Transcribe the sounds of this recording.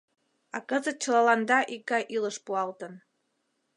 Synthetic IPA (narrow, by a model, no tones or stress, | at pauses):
ɑkə̆zət̪̚t͡ɕə̆lɑlɑnd̪ɑʔikːɑjʔiləʃpuɑlt̪ən